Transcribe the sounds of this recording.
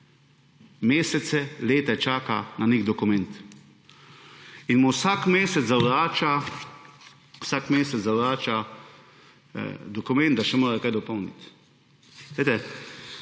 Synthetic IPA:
meːsɛt̪sɛleːt̪ɛt͡ʃaːkananeɡd̪ɔkʊmɛ̃nt̪ | inmuwsakmeːsɛt̪zawɾaːt͡ʃa | wsakmeːsɛt̪zawɾaːt͡ʃa | d̪ɔkʊmɛ̃nt̪d̪d̪aʃɛmoːɾakajd̪ɔpɔwnḭt̪ | ejt̪ɛ

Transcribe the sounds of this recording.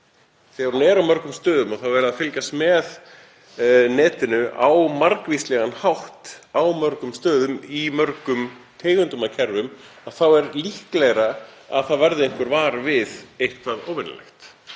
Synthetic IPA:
θɛɣaɾunɛɾawmœɾkʏmst̪œːðʏmaθawvɛːɾɪðaðfɪlcast̪mɛð | nɛːt̪ɪnʏʔawmaɾkviːslɛɣanhawht̪awmœɾkʏmst̪œːðʏmimœɾkʏmt̪ʰeːjɣʏnt̪ʏmacʰɛɾðʏmaðθawɛɾlihklɛɣɾaa̰ðθaðvɛɾðɪeŋ̥kvɪɾvaːɾvɪðejhkʰvaðo̰ːwvɪna̰lḛxt̪

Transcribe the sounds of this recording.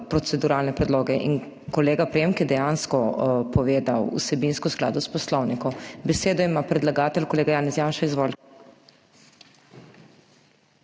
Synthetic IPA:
pɾɔt̪sɛd̪uɾaːlnɛpɾɛd̪loːɡɛʔḭn | kɔleːɡapɾeːmkjɛd̪ɛjanskɔpɔʋeːd̪awṵsɛbinskɔskla̰ːd̪ɔspɔslɔwnikɔmbɛseːd̪ɔimapɾɛd̪laɡaːt̪ɛlkɔleːɡajaːnɛsjaːnʃaizʋɔl

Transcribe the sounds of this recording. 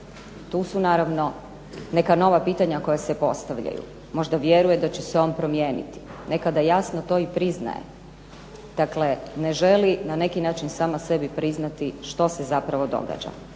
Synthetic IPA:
t̪uːsunaːɾaʋno̞ | ne̞kano̞ʋapiːt̪aɲako̞jasepo̞st̪aʋʎa̰jṵ | mo̞ʒd̪aʋje̞ɾujed̪at͡ɕeseo̞mpɾo̞mjeːnḭt̪i̥ne̞kad̪ajasnot̪o̞ipɾizna̰jḛ | d̪̥akle̞ne̞ʒe̞linane̞kinaːt͡ʃinsaːmase̞bipɾiznat̪iʃt̪o̞sezapɾaʋo̞d̪o̞̰ɡa̰ːd͡ʑa̰

